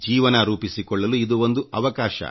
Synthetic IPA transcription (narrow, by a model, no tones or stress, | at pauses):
d͡ʒiːʋɐnɐɾuːpisikɔɭːɐluid̪uond̪uʔɐ̰ʋɐkaːʃɐ̰